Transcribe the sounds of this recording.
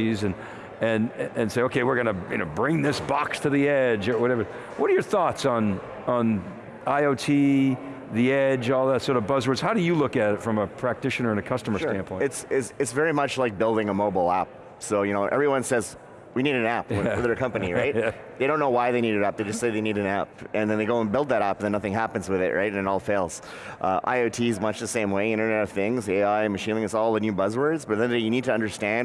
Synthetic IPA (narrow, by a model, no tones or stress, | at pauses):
izɨ̃n | ɨ̃nɨ̃nseɪoʊkʰeɪwɨɹɡʌnɨjɨnoʊbɹɪ̃ŋðɪsb̥ɑkstʰɨðiɛd͡ʒə˞wʌɾɛvə˞ | wʌɾə˞jə˞θɔtsn̩ | n̩ | aɪoʊtʰi | ðiɛd͡ʒɔlˠðætsɔɹɾʌvbʌzə˞dz̥haʊɾɨjɨlʊkɨɾɨtfɹʌ̃məpʰɹ̥æk̚tʰɪʃɨnə˞ɨ̃nɨkʰʌstəmə˞sʃstæ̃npʰɔ̃ɪtsɪtsɨtsvɛɹimʌt͡ʃlaɪk̚b̥ɪlˠdɪ̃ŋəmoʊbl̩ˠæ̰p̚ | soʊjɨnoʊʔɛ̰vɹiwʌ̃nsɛz | winiɾɨ̃næpðə˞ɨkʰʌ̃mpɨniɹaɪt̚ | ðeɪɾõʊ̃nːoʊwaɪðeɪniɾɨɾæp̚ðeɪd͡ʒʌstseɪðeɪniɾɨ̃næp̚ɨ̃nðɨ̃nðeɡoʊə̃nbɪlˠd̪̚ðɨɾæpðɨ̃nːʌθɪ̃ŋɦæpn̩zwɨðɪ̰ʔɹaɪtɨ̃nɨɾɔlˠfeɪlˠz̥ | ʔʌʔa̰ɪoʊtʰizmʌt͡ʃðɨsẽɪ̃mweɪɪ̃ɾ̃ə˞nɛɾʌv̥θɪ̃ŋzeɪaɪmɨʃĩnɪ̃ŋɨtsɔlˠðɨnjʉbʌzwə˞dzbʌt̪̚ðɨ̃nɪjɨnid̚tʰɨʌ̃ndə˞stæ̃n